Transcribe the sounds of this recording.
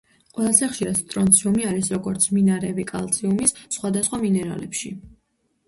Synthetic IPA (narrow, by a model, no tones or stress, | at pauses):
qʼwɛlˠazɛχʃiɾat̪st̪ʼɾɔnt̪sʰiumiaɾisɾɔɡɔɾt̪sʰminaɾɛbikʼa̰lˠt̪sʰiumisːχwad̪asχwaminɛɾa̰lɛpʃḭ